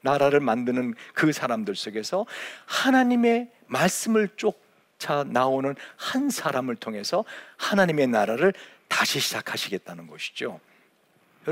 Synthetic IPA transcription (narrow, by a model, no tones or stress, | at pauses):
naɾaɾɯɭmandɯnɯnkɯsʰaɾamdɯɭs͈oɡe̞sʰʌhanaɲime̞ | maɭs͈ɯmɯɭt͡ɕ͈ok̚ | t͡ɕʰanaonɯnhansʰaɾamɯɭtʰoŋɦe̞sʰʌhanaɲime̞naɾaɾɯɭtaɕʰiɕʰid͡ʑakʰaɕʰiɡe̞t̚t͈anɯnɡʌɕʰi̥d͡ʑo̰ | jʌ